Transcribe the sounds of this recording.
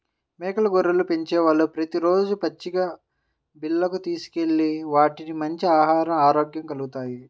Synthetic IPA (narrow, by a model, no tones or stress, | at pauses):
meːkɐlɐɡoɾːɐlupeɲt͡ʃɛːʋalːupɾɐt̪iɾo̞ːd͡ʒupɐt͡ʃːiɡaː | bilːɐkut̪iːsu̥ke̞ɭːiʋaːʈinimɐɲt͡ʃiaːɦaːɾɐmaːɾoːɡjɐmkɐluɡut̪aːji